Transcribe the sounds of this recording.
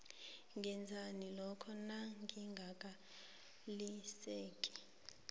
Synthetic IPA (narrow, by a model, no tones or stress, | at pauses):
ŋʱɛnd͡zʱanilɔkʰɔnaŋɡʱiŋɡʱakʼa | liseːkʼi̥